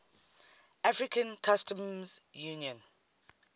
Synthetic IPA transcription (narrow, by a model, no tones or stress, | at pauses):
ʔafɹikʰə̃nkʰastʰə̃mzjuniɔ̃n